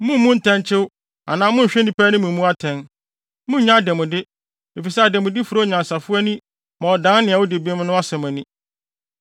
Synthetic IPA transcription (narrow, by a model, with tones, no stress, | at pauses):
mũ˦m˦mũ˦n̩˦tʰɛ̃˦nt͡ɕʰɪ˦w | a̰˨nãː˨˦mʊ̃˦˨ɕᶣɛ˦nĩ˦pʰæː˦nʊ̃˦mũ˨m˦ũ˦a˦tʰɛ̃˨n | mʊ̃˦ɲã˦˨dɛ˨mʊ̃˨dɪ˦ | e˨fi˨sɛ˦a˨dɛ˨mʊ̃˨dɪ˦fu˨ɾo˦˨ɲã˨n˨sa˨fʊ˦ɛ˦nĩ˦ | mã˨ɔ˨dã˦n˦nɪ̃˨a˨wʊ˦de˨bɛ˦mʊ̃˦nʊ̃˦a˦sɛ˨mæ̃˨nĩ˦